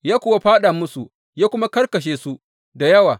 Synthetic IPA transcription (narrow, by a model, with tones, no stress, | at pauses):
jaː˦kʷʊ˦˨wa˦ɸaː˦ɗaː˨mʊ˦su˨ | jaː˦kʷʊ˦ma˦kɐ˦rkɐ˨ʃ̬eː˦su˦ | da˨jɐ˦waː˨